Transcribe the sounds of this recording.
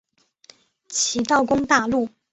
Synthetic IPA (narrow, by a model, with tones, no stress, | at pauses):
t͡ɕʰi˧˥t̪ɑ˥˩ʊkʊ˥ŋt̪a˥˧lu˥˩